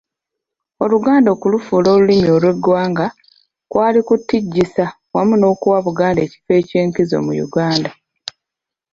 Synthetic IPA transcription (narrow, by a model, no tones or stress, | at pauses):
o̞luɡaːndo̞ːkulufuːlo̞ːlulimio̞lwe̞ɡːwaːŋɡa | kwaːlikutːiɟːisa | wamuno̞ːkuwaβuɡaːnde̞ːci̥fe̞ːce̞ːŋkizo̞̰mujṵɡaːnda